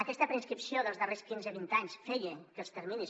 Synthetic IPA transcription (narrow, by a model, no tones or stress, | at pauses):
əkɛst̪əpɾəinskɾipsioðəlˠzðəreskinzəβint̪aɲsfɛʎəkəst̪əɾminis